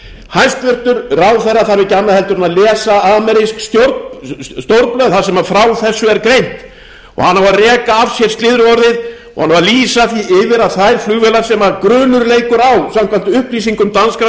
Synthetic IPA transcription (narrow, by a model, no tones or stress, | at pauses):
hajnst̪vʏr̥t̪ʏɾrawθɛrːaθaɾvɪcanahɛlt̪ʏɾʏnalɛːsaamɛɾɪskst̪joɾst̪oɾplœðθaɾsɛmafɾawθɛsːʏɛɾkɾejn̥t̪ | ɔ̰ha̰nhavarɛːkaavsjɛɾ̥st̪lɪðɾʏɔɾðɪð | ɔ̰hanhavaliːsaθiʔɪvɪɾaðθajɾflʏɣvɛːlaɾ̥sɛmakɾʏːnʏɾleːjkʏɾawsamkʰvant̪ʏʏhpliːsiŋkʏmt̪anska